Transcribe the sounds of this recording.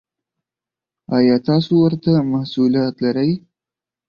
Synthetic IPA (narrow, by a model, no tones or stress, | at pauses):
ɑjɑt̪ɑsowəɾt̪amahsulijɑt̪laɾaj